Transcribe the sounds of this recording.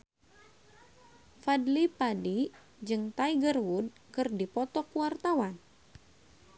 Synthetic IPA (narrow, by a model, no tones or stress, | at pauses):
fadlipadi | d͡ʒɨŋt̪aiɡərwud̚ | kɨrdipɔt̪ɔkuwart̪awan